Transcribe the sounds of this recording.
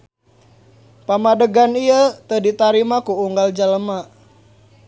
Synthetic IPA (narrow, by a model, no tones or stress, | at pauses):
pamadəɡaniət̪ədit̪aɾimakuuŋɡald͡ʒaləma